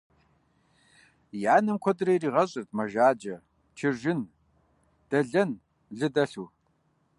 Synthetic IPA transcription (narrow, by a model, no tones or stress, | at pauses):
jaːnɨmkʷʰɔdɨrɐjriːʁɐɕʼɨrt̚ʰmɐʒaːd͡ʒɐ | t͡ʃʰɪʒɪn | d̥ɐɮɐn | ɮɨdɐɬu